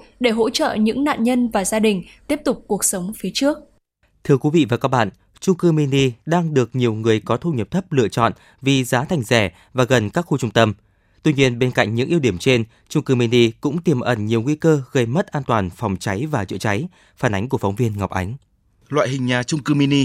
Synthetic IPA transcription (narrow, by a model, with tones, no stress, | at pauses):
ɗe˧˩ɦo̰˧˥t͡ɕə̰ː˧˨ɲɨ̰˧˥ŋna̰ː˧˨nɲə˧nvaː˨˩zaː˧ɗï˨˩ŋ̟t̪i˦˥əp̚t̪ʊ˨˩k͡p̚ku˨˩ək̚sə˨˦wŋ͡mfi˨˦ət͡ɕɨ˦˥ək̚ | t̪ʰɨ˧əkwi˨˦vḭ˧˨vaː˨˩kaː˦˥k̚ɓa̰ː˧˨n | t͡ɕʊ˧ŋ͡mkɨ˧mi˧ni˧ɗaː˧ŋɗɨ˨˩ək̚ɲi˨˩əwŋɨ˨˩əjkɔ˨˦t̪ʰu˧wɲə˨˩p̚t̪ʰə˦˥p̚lɨ̰˧˨ət͡ɕɔ̰˧˨n | vi˨˩zaː˨˦t̪ʰa˨˩jŋ̟zɛ˧˩ | vaː˨˩ɣə˨˩nkaː˦˥k̚xu˧t͡ɕʊ˧ŋ͡mt̪ə˧m | t̪wi˧ɲi˧ənɓe˧nka̰˧˨jŋɲɨ̰˧˥ŋʔi˧wɗi˧˩əmt͡ɕe˧n | t͡ɕʊ˧ŋ͡mkɨ˧mi˧ni˧kʊ̰˧˥ŋ͡mt̪i˨˩mʔə˧˩nɲi˨˩əwŋi˧kəː˧ɣə˧jmə˦˥t̚ʔaː˧nt̪waː˨˩nfɔ˨˩wŋ͡mt͡ɕa˨˦jvaː˨˩t͡ɕə̰˧˨t͡ɕa˨˦j | faː˧˩nʔa˨˦jŋ̟ku˧˩əfa˨˦wŋ͡mvi˧ənŋa˨˩wk͡p̚ʔa˨˦ŋ̟ | lwa̰ː˧˨jɦï˨˩ŋɲaː˨˩t͡ɕʊ˧ŋ͡mkɨ˧mi˧ni˧